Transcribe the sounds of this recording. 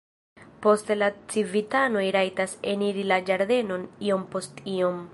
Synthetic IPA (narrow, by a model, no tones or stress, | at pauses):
po̞stlat͡sivitano̞jɾajtaseniɾilad͡ʒaɾde̞no̞nio̞mpo̞stio̞m